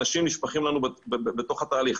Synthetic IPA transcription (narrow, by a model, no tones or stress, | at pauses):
aʃimniʃpaχimlanubebet̪o̞χhat̪aːliχ